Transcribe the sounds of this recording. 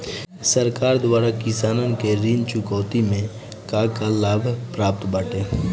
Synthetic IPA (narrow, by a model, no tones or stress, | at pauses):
səɾkaːɾd̪waːɾakɪsaːnənkeɾiːnt͡ʃʊkɔːt̪imẽ | kakalaːbʱpɾaːp̚t̪baːʈeː